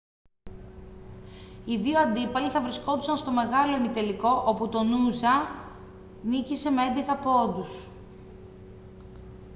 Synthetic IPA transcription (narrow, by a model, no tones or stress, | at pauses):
iðioɐnd̪ipɐliθɐvɾisko̞t̪usɐnst̪o̞me̞ɣɐlo̞emit̪e̞liko̞ʔoput̪o̞nuzɐ | nicise̞meend̪eɣɐpo̞nd̪us